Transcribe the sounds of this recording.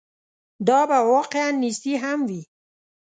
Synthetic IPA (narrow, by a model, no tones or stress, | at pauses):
d̪ɑbawɔqeanːist̪iɦamwi